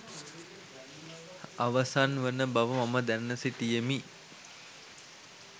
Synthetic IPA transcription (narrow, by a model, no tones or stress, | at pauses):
aʋɐsanʋənəbaʋəmaməd̪ænːəsiʈijəmi